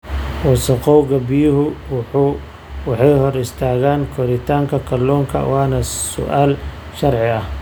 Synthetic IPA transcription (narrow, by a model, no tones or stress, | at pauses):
wɑsɐqɔwɡɐbɪjʊɦʊ | wɑħɑjɦɔɾɪst̪ʰaːɣaːnkʰɔɾɪt̪ʰaːŋkʰɐkʰɐlɔːŋkʰɐ̰wɑːnɐsʊ̰ʔaːl | ʃɐrʕɪɐ